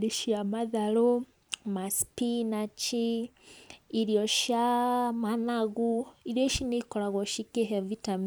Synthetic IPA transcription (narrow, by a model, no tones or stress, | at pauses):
ɾiʃiamaðalo | masi̥pinat͡ʃiː | ɾjɔʃjamanaɣuiɾjɔʃinikɔlaɣɔʃikeɦɛvitami